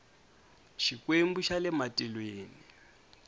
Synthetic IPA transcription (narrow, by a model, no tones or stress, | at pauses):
ʃikwembuʃalɛmatʼilweːni